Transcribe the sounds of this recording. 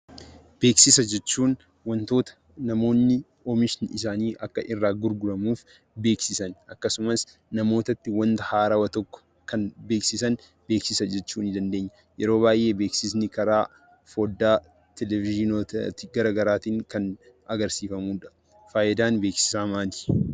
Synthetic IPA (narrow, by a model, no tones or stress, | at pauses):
b̥e̞ːksɪsɐd͡ʒɛt͡ʃːuːn | wɐnt̪o̞ːt̪ɐ̥ | nɐmo̞ːnːɪ | ɔmɪʃɪnɪs̬aːniːʔɐkːɐʔɪrːaːɡʊɾɡʊɾɐmuːf | be̞ːksɪsɐnʔɐkːɐsʊmɐs | nɐmo̞ːt̪ɐt̪ːɪwɐnt̪ɐhaːɾɐwɐt̪ɔkːɔ̥ | kɐnbe̞ːksɪsɐn | b̥e̞ːksɪsɐd͡ʒɛt͡ʃːuːnɪd̪ɐnd̪eːɲːɐ | jɛɾo̞ːβaːjʔe̞ːbe̞ːksɪsnɪkɐɾaː | foːd̪ːaː | t̪ɛlɛvɪʒɪnot̪t̪ɪɡɐɾaːɡɐɾaːt̪iːŋkɐn | ɐɡɐɾsiːfɐmuːᶑɐ̥ | faːʔɪd̪aːnbe̞ːksɪ̥saːmaːt̪i̥